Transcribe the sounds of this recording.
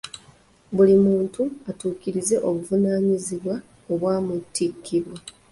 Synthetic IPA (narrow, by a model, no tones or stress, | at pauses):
βulimuːntuatuːciɾize̞ʔo̞βuvunaːɲiziβwa | o̞βwaːmutːikʰːiɾwa